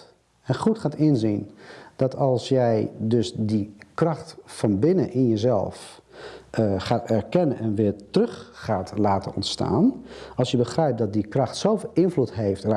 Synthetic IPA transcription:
ɛnχutxaːtɪnzind̥ɔtʰɑlˠsjɛjdøsdikrɑxtfɔnbɪnəʔinjəzɛ̰lˠf | χaːtɛrkɛnənʔɛnʋɪətrøxːaːtlaːtənɔntsta̰ːnɑlˠsjəbəxrɛjp̚dɔt̚dikrɑxtsoːfelˠɪnvlutɦejftr

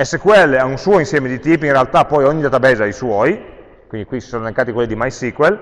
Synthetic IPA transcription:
esːekwelaunsuoinsjɛːmed̪it̪iːpoinrealt̪apːɔjoɲːilat̪abeːzeajswɔj | kwind̪ikwisi̥soːnolekːaːt̪ikwelːid̪imajsikwel

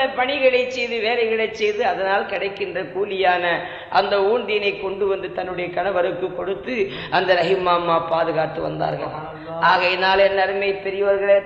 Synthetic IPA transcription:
ɐpɐɳɪɣɐɭɐɪt͡ʃːɛjðɯʋeːlɐɪɣɐɭɐɪt͡ʃːɛjðɯɐðɐnaːlkɪɽɐɪkːɪndrɐkuːlɪjaːnɐ | ʔɐnd̪ɐuːnd̪ɪjnɐɪkːɔɳɖɯʋɐnd̪ɯt̪ɐnːɯɽɐjɐkɐnɐʋɐɾɯkːɯkːɔɽɯt̪ːɯ | ʔɐnd̪ɐɾɐɣɪmaːmːaːpaːðɯɣaːʈːɯʋɐ̰nd̪a̰ːɾɣɐ̰ɭ | ʔaːɣɐnaːlɛnːɐɾɯmɐjpɛɾɪjɐʋɐɾɣɐɭeː

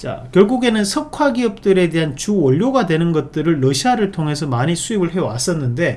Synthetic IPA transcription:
t͡ɕa̰kjʌɭɡuɡe̞nɯnsʰʌkʰwaɡiʌp̚t͈ɯɾe̞de̞ɦant͡ɕuʌʎːoɡadwe̞nɯnɡʌt̚t͈ɯɾɯɭːʌɕʰiaɾɯɭtʰoŋɦe̞sʰʌmaɲisʰuibɯɭɦe̞owas͈ʌnːɯnde̞

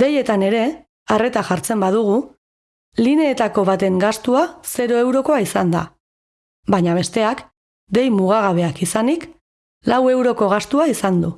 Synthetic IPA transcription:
d̪e̞je̞t̪ane̞ɾe̞ | are̞t̪aʝaɾt͡se̞mbað̞uɣ̞u | line̞ːt̪ako̞βat̪e̞ŋɡast̪uase̞ɾo̞e̞wɾo̞ko̞aisand̪a̰ | bajɲaβe̞st̪e̞ak | d̪e̞jmuɣ̞aɣ̞aβ̞e̞akisanik | lawe̞wɾo̞ko̞ɣ̞ast̪uaisand̪u

